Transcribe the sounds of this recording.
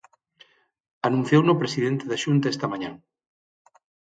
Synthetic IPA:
anũnθjownopɾesiðent̪eðaʃunt̪aest̪ɐmaɲãŋ

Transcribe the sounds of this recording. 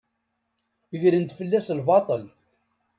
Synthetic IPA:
iʝɾənt̪fəlːæslbɑt̪ˤəl

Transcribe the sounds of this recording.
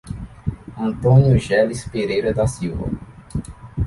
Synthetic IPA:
ɐ̃nt̪õnjuʒɛlispeɾejɾɐd̪ɐsiwvɐ̰

